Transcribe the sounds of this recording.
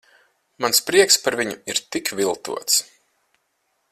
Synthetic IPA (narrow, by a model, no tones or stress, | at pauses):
manspɾiɛkspaɾviɲuiɾt̪ikvʲilˠt̪ṵɔt̪s